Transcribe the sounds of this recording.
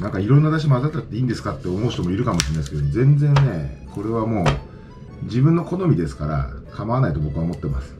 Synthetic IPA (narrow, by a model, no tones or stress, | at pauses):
nãŋkaiɾõ̞nːad̪aɕ̬imoazat̪ːat̪ːeĩːnd̪e̞sɨ̥kat̪ːe̞o̞mo̞̟ːɕt̪o̞mo̞iɾɯ̟kamo̞ɕiɾenaisɨ̥kemozẽ̞nd͡zẽ̞nne̞ko̞ɾe̞β̞amo̞ː | d͡ʑibɯ̟̃nːo̞ko̞no̞mʲid̪e̞sɨ̥kaɾa̰kʰamaβanait̪o̞bo̞kɯ̟aomo̞t̪ːe̞masɨ̥